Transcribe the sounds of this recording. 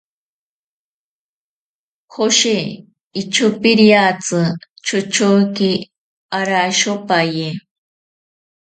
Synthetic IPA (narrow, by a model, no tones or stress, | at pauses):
xoʃe | it͡ʃʰupiɾjat͡sɨ | t͡ʃʊt͡ʃʰoki | aɾaʃopaje